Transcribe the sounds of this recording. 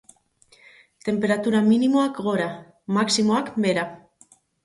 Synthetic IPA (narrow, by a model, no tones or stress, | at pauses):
t̪e̞mpe̞ɾat̪uɾaminimoakɣo̞ɾa | maksimoakbe̞ɾa